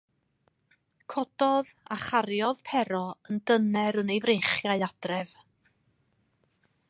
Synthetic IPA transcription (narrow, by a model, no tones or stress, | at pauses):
kʰɔd̥ɔðaχarjɔðpʰɛɾɔəndənɛɾənejvrejχjaɨad̥rɛv̥